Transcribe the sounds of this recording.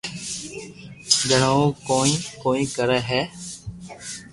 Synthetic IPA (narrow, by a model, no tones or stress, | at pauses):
d͡ʒəɳoːkoːĩːkoːĩːkəɾɛːɦɛː